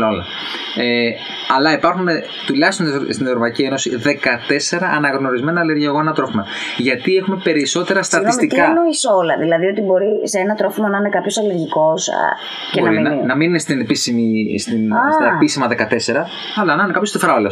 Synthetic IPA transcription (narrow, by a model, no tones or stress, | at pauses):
olɐ̰ | e | ɐlɐipɐɾxune | t̪ulɐçst̪onst̪inevɾopɐicieno̞siðe̞kɐt̪e̞se̞ɾɐʔɐnɐɣno̞ɾizme̞nɐːleɾʝioɣoenɐt̪ɾo̞fimɐ | ʝɐt̪ie̞xume̞pe̞ɾiso̞t̪e̞ɾɐst̪ɐtnst̪it̪kɐnoiseolɐ̰ðilɐðio̞t̪ibo̞ɾiseenɐt̪ɾo̞fimɐnɐinekɐpço̞sɐle̞ɾʝiko̞s | beoɐɾinnɐmininest̪inepisimist̪inst̪ɐepisimɐðe̞kɐt̪e̞se̞ɾɐ | ɐlɐnɐnekɐpjost̪ofɾɐolo